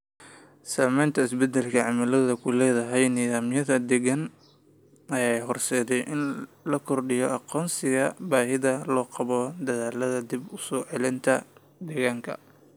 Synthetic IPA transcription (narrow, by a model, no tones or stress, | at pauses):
saːmɛjnt̪ʰɐɪsbɛd̪ɛlkʰɐʕɑmalɐðɐkʰʊlɛːðɐɦɛjniːðaːmjɐðɐd̪ɛɣɐn | ɐjajɦɔrsɛːd̪ɛjʔɪnlɐkʰɔrɖɪjɔʔɑqɔːnsɪɣɐbaːɦɪðɐlɔːqɑβɔd̪ɐðaːlɐðɐd̪ibʊsɔːʕɛlɪnt̪ʰɐ | d̪ɛɣaːŋkʰɐ̰